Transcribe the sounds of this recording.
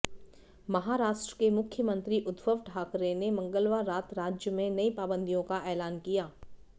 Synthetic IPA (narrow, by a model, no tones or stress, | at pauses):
mɐɦaːɾaːʃʈɾəkemʊkʰjəmə̃nt̪ɾiʔʊd̪ʋəʋʈʰaːkɾenemɐ̃ŋɡəlʋaɾːaːt̪ɾaːd͡ʒjəmẽnɐipaːbə̃nd̪ʱijõkaʔɛːlaːnkijaː